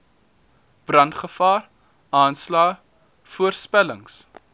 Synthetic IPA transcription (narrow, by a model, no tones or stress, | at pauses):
b̥rɐntχəfɑːr | ɑːnslɑː | fuərspæləŋs